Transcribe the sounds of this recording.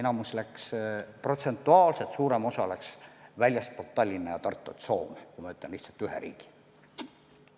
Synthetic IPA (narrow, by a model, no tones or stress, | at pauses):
enɑmuslækspro̞t̪se̞nt̪ːˑuɑːlse̞t̪suːɾe̞mo̞sɑlæksvælʲjɑspot̪ːˑɑlʲːinejɑt̪ɑrt̪ːˑut̪so̞ːmkujmɑyt̪ːˑlenliht̪sɑlt̪yɦḛɾḭːɡ̥i̥